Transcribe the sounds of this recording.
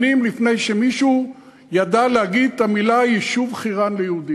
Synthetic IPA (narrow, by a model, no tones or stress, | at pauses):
imlifnejʃemiʃu | jad̪alehaɡid̪̚t̪amilaiʃuvχiʁanlejeud̪i